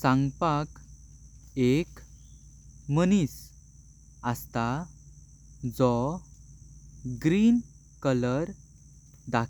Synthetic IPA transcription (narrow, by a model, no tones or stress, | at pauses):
sãŋɡpak | ek | mənis | əst̪a | d͡zɔ | ɡɾin | kələɾ | d̪ak